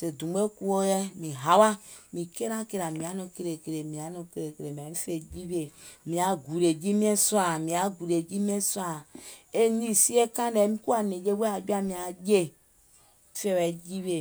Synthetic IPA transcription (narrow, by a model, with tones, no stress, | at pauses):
se˨dũ˨m˦e˦ku˦o˦jɛ˦mĩ˨ɦa˨˦wa˦mĩ˨ke˦ɾa˦ke˦ɾa˨mĩ˨a˨˦nõ˧ke˦ɾe˨ke˨ɾe˨mĩ˨a˨˦nõ˧ke˦ɾe˨ke˨ɾe˨mi˨a˨mi˦fe˨d͡ʒi˦βe˨mĩ˨a˨ɡu˨ɾe˨d͡ʒi˦mi˦e˦sa˨mĩ˨a˨ɡu˨ɾe˨d͡ʒi˦mi˦e˦swa˨e˦ɲĩ˦si˦e˦kã˦dɛ˨˦mĩ˦ku˦a˨ne˨d͡ʒe˦we˦a˨d͡ʒu˦a˦mĩ˨a˨d͡ʒe˦˨ | fe˦wɛ˨d͡ʒi˦βe˨